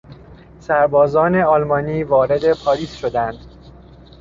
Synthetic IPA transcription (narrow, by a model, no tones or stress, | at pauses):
sæɾbɒːzɒːne̞ɒlmɒːniːvɒːɾe̞d̪e̞pʰɒːɾiːsʃod̪ænd̪̥